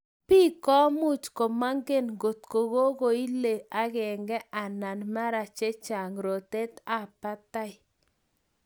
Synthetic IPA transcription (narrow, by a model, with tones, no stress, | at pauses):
pi˦kɔ˦mʊ˦t͡ʃko˨ma˦ŋɡe˦nɡo˨t̪ko˨ɣo˦ɣo˨i˦le˨a˦ɣɛ˨ŋɡɛ˦ʔa˨na˨nma˦ɾa˨t͡ʃe˦t͡ʃa˨ŋɾo˨te˦t̪a˦˨pa˦ta˦ɪ˨